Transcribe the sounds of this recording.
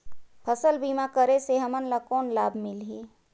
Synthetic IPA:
pʰəsəlbiːmakəɾeseɦɐmənlakɔːnlaːbʱmɪlɦiː

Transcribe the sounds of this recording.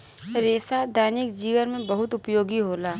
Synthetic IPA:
ɾeːsad̪ʱaːnɪkd͡ʒiːʋənmẽbɐɦʊt̪ʊpjoːɡiɦoːlaː

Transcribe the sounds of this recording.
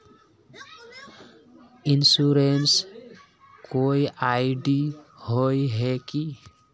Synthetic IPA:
ɪnsuɾens | koiʔaɪɖihojɦeki

